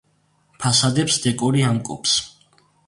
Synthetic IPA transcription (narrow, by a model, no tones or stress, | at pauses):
pʰasad̪ɛpsd̪ɛkʼuɾiamkʼṵpʰs